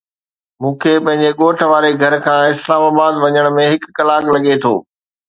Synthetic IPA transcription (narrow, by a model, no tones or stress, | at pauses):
mũːkʰepɐ̃ɦɪ̃ɲd͡ʑeɠoːʈʰʋaːɾeɡʱɐɾkʰãːɪslaːmaːbaːd̪ʋɐɲəɽ̃mẽɦɪkːɐlaːklɐɠet̪ʰo̰ː